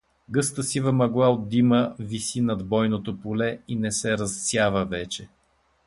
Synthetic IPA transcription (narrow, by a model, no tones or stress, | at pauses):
ɡɤst̪əsivɐmɐɡlˠaod̪ːiməvisinɐd̪bɔjnot̪opolɛinɛsɛɾɐssjavəvɛt͡ʃɛ